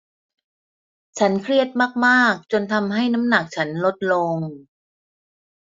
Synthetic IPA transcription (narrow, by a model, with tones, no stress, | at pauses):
t͡ɕʰa˦˥nkʰɾi˥˩ət̪̚maː˥˩k̚maː˥˩k̚t͡ɕo˧nt̪ʰa˧mɦa˥˩jna˦˥mna˨˩k̚t͡ɕʰa˦˥nlo˦˥t̪̚lo˧ŋ